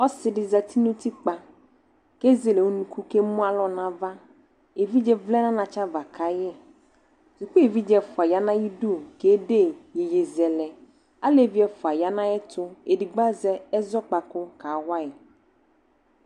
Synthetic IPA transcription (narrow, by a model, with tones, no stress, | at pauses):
ɔ˦sɪ˨dɪ˨za˨tʰi˦nu˦ti˦k͡pa˨ | ke˦ze˨le˨o˦nũ˨ku˦ke˦mũ˦a˦lɔ˨nã˨va˦ | e˨vi˦d͡ʒɛ˨vlɛ˦nã˦nã˨t͡ʃa˦va˨kʰa˨jɛ˦ | su˨k͡pe˦e˨vi˦d͡ʒɛ˨fʊ˨a˨ja˦nã˦ji˦du˦˨ke˦de˦˨je˨je˨zɛ˨lɛ˨ | a˦le˦˨vi˦ɛ˨fʊ˨a˨ja˦nã˦jɛ˦tʊ˦e˨di˨ɡ͡ba˦zɛ˦ɛ˦zɔ˦k͡pa˨kʊ˦ka˨wʷa˦ɪ˨